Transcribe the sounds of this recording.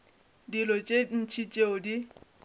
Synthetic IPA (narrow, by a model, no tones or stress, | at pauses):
dilɔt͡ʃʼen̩t͡ʃʰit͡ʃʼeodi